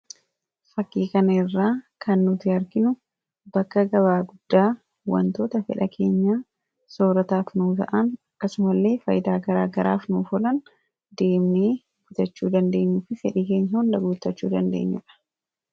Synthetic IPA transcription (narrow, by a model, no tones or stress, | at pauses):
fɐkːiːkɐnɐɪrːaːkʰɐnːʊt̪ɪɐɾɡɪnʊ | bɐkːɐɡɐbaːɡʊd̪̥ːaː | wɐ̰nt̪o̞ːt̪ɐfɛ̰ᶑɐkʰe̞ːɲːaː | soːɾɐt̪aːfnuːt̪ɐ̰ʔɐnɐkːɐsʊmɐlːe̞ːfɐ̰jɪd̪aːɡɐɾaːɡɐɾa̰ːfnuːfɔlɐn | d̪e̞ːmneː | fʊt̪ɐt͡ʃːuːd̪ɐnd̪e̞ːɲːʊfɪfɛᶑiːke̞ːɲːɐhʊnlɐɡuːt̪ːɐt͡ʃːṵːd̪ɐnd̪e̞̰ːɲːʊᶑɐ̥